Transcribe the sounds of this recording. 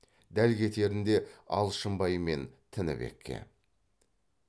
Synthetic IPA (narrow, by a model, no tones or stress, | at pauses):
d̪ælkʲe̞t̪e̞ɾɪnd̪e̞ɑ̰lˠʃəmbɑjəme̞nt̪ʰɪnɪ̰be̞̰kʲʰːḛ